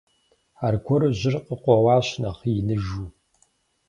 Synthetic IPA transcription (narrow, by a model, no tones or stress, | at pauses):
aːrkʷʰɔɾɨʑɪrqəqʷɔwɑːɕnɐχijɪnɨʒuː